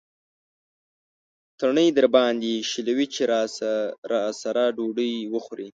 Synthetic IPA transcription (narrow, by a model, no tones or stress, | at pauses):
t̪əɾɳəjd̪əɾbɑnd̪iʃilawit͡ʃeɾ | ɾɑsaɾaɖoɖəjwəxɾi